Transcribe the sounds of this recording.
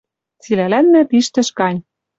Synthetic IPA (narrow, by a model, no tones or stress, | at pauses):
t͡silælænmæ̆piʃt̪ɘ̆ʃkɑnʲ